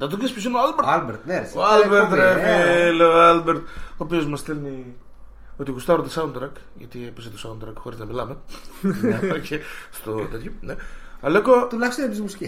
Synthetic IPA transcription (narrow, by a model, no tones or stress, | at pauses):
nɐt̪okespisinoalbeɾalbeɾt̪nesoalbeɾt̪efileoalbeɾt̪opio̞zmɐsθelni | ot̪iɣust̪ɐoɾot̪ɐsɐunt̪ɾɐk | ʝɐ̰t̪iepiset̪osaund̪ɾɐkxo̞ɾiznɐmilɐme | ocest̪ot̪et̪çoneɐlekot̪ulɐçist̪onepizmusci